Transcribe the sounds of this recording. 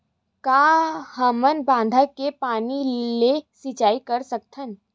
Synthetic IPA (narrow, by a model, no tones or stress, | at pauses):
kaːhəmənbãːn̆d̪ʱakepaːnilesɪt͡ʃaːikəɾsəkt̪ʰən